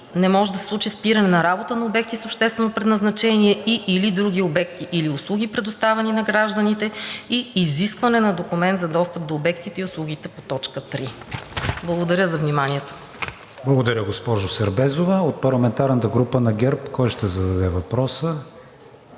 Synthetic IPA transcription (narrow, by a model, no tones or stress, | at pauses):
nɛmɔʒɛd̪ɐsɛ̥slˠut͡ʃispiɾɐnɛnɐɾabot̪ənɐobɛk̚t̪isopʃt̪ɛst̪vɛnopɾɛd̪nɐznɐt͡ʃɛniɛiilid̪ɾuɡʲiobɛkt̪iʔiliʊslˠuɡʲipɾɛd̪ʊst̪avɛninɐɡɾaʒd̪ənit̪ɛiːziskvɐnɛnɐd̪okumɛnd̪zɐd̪ɔst̪əp̚d̪oːbɛkt̪it̪ɛiʊslˠuɡ̟ʲit̪ɛpot̪ɔt͡ʃkət̪ɾi | blˠɐɡod̪ɐɾʲəzɐvnimaniɛt̪o̥ | blˠɐɡod̪ɐɾʲjəɡospɔʒosɛɾbɛzovəot̪̚pɐɾlˠɐmɛnt̪aɾnət̪əɡɾupənɐɡɛɾpkɔjʃt̪ɛzɐd̪ɐd̪ɛvɐpɾɔsə